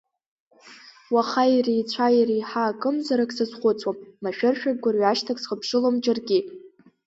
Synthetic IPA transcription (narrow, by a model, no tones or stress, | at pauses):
waχajirijt͡sʷʰajirijħaːkʼɨmzaɾakʼsazχʷʊt͡sʼwamːaʃᶣɪrʃᶣaɡ̚ɡʷarɥaʃtʰakʼsχəpʰʂɨlomd͡ʒarɡʲɪ